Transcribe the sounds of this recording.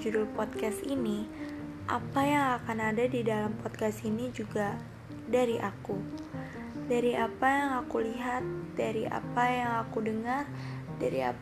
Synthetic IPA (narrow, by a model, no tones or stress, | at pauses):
d͡ʒudʊlpɔd̪̚kasini | ʔa̰pajaŋakanadadidalampɔt̪̚kast̪inid͡ʒuɡa | daɾiʔaku | daɾiapajaŋakuliɦat̪̚daɾiʔa̰pajaŋakudəŋar | daɾḭa̰